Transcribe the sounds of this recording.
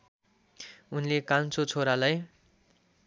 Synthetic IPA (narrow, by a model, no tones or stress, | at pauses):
unilekant͡sot͡sʰoɾalaj